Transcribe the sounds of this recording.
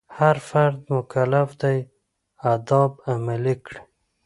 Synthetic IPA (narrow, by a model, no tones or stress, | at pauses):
haɾfaɾd̪mʊkalafd̪aj | ad̪ɑbamalikɽ